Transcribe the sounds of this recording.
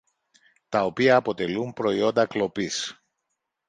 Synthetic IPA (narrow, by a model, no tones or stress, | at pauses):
t̪ɐo̞piɐːpo̞t̪e̞lumpɾo̞io̞nd̪ɐklo̞pis